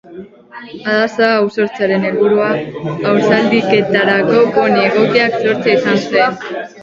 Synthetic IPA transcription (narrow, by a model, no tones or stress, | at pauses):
aðasaːwso̞ɾt͡seaɾe̞nelβuɾuaːwsald̪ike̞t̪aɾako̞ko̞nie̞ɣo̞kiakso̞ɾt͡saisansuen